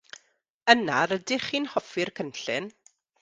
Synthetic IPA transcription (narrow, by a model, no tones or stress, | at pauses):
ənaɾədɪχiːnhɔfɪrkʰənɬɪ̰n